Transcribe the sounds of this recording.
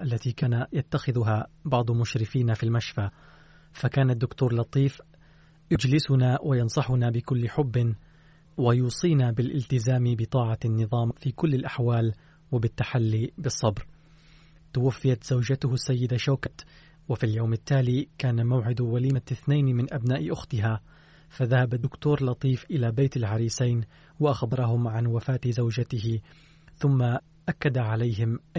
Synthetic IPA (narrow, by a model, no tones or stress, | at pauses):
ʔalːat̪iːkaːnajat̪ːaxɪðʊɦabɑʕd̪ˤmʊʃɾɪfiːnafilmaʃfa | fakaːnad̪ːʊkt̪uːɾlɑt̪ˤiːf | jʊd͡ʒlɪsʊnawʔajɑnsˤɑħʊnabɪkʊlːɪħʊbːɪ | wajuːsˤiːnabɪlʔɪ̰lt̪ɪzaːmbɪt̪ˤɑːʕɑnːɨðˤɑːmfiːkʊlːɪlʔaħwaːl | wabɪt̪ːaħalːibɨsˤːɑbɾ | t̪ʊwafːɪjat̪z̥awd͡ʒat̪ʊhʊsːajːɪd̪aʃawkat̪ | wafiljawmɪt̪ːaːliːkaːnamawʕɪd̪waliːmaθnajnmɪnʔabnaːʔɪʔʊxt̪ɪɦaː | faðahabad̪ʊkt̪oːɾlɑt̪ˤiːfʔɪlaːbajt̪alʕaɾiːsajn | waʔaxbɑɾˤɑɦʊmʕanwafaːt̪ɪzawd͡ʒat̪ɪɦɪ | θʊmːa | ʔakːad̪aʕalajɦɪmʔ